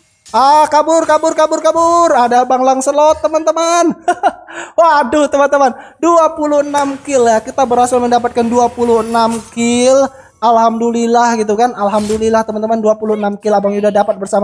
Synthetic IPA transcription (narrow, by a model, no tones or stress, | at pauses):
ahkabʊrkabʊrkabʊrkabʊradabaŋlaŋsəlɔt̪ːəmant̪əman | wadʊht̪əmant̪əmanduapulʊhənamkɪljakit̪abəɾasalməndapat̪̚kanduapulʊhənamkɪl | alɦamdulilahɡit̪̬ukanalɦamdulilaht̪əmant̪əmanduapuluhənamkɪlabaŋjudahdapat̪̚bərsama